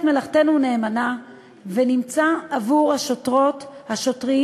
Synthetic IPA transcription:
tme̞laχt̪e̞nune̞ːmana | venimt͡saːvuʁhaʃotʁothaʃo̞tʁi

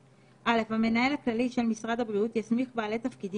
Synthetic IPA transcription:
ʔale̞fhame̞nae̞laklaliʃe̞lmisʁad̪habʁiut̪jasmiχbaːle̞t̪afkid̪i

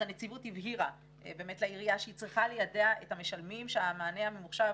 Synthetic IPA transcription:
anet͡sivutivɦiʁa | beːmetlaiʁiaʃeit͡sʁiχalejadeaʔetameʃalmimʃeamaːneamemuχʃa

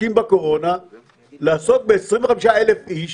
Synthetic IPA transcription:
imbakoʁona | laːsok̚beesʁĩmveameʃaelefiʃ

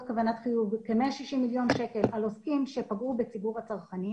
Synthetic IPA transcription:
kavanat̪χijuvkemeaʃiʃimːiljo̞nʃe̞ke̞lalo̞skimʃe̞paɡube̞t͡sibuʁhat͡saʁχani

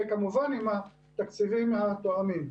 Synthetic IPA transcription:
kamuvanima | t̪akt͡sivimhat̪oamim

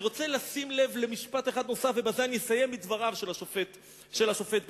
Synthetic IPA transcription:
ʁo̞t͡selasimle̞vle̞miʃpat̪eχad̪no̞safvebazeanjesaje̞mːidvaʁavʃelaʃofet̪ | ʃelhaʃo̞fe̞t̪̚b

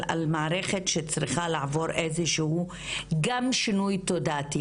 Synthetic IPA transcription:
a̰lmaʕaɾe̞χetʃet͡sʁiχalaʕavo̞ɾʔe̞zeʃehu | ɡamʃinujt̪o̞daːt̪i

